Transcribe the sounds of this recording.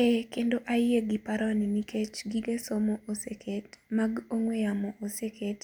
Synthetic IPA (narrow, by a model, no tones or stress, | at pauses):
ekendoʔajeɡipaɾɔninikʰet͡ʃɡiɡesomoʔosekʰetmaɡoŋweamoʔosekʰet